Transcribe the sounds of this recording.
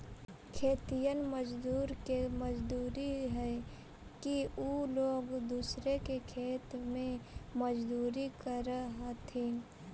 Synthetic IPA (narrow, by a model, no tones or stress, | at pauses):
kʰeːt̪ijənməd͡ʒd̪uːɾkeməd͡ʒd̪uːɾiɦɛ | kiuloːɡd̪uːsɾekekʰeːt̪mẽməd͡ʒd̪uːɾikəɾəɦat̪ʰẽː